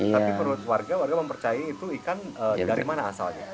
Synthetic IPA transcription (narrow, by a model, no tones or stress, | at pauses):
t̪apipəɾut̪̚warɡawarɡaməmpərt͡ʃajait̪uikanəːdaɾimana̰ːsa̰lɲa